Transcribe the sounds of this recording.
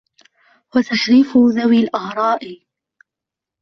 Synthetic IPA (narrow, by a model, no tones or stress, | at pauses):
wat̪aʃɾiːfʊðawiːlʔahɾˤɑːʔ